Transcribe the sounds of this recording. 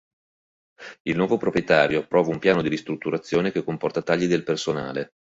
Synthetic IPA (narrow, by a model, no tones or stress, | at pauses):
ilnwɔːvopɾopɾjet̪aːɾjopːɾɔːvaumpjaːnod̪iɾist̪ɾut̪ːuɾat̪sːjoːnekekːompɔrt̪at̪aʎːid̪elpersona̰ːle